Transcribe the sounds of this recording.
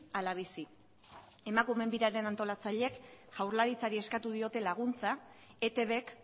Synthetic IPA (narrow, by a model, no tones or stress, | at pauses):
alaβ̞isi | e̞makume̞mbiɾaɾe̞nant̪o̞lat͡saʎe̞kʝ̥awɾlaɾit͡saɾie̞skat̪uð̞io̞t̪e̞laɣ̞unt͡sa | e̞t̪e̞βe̞k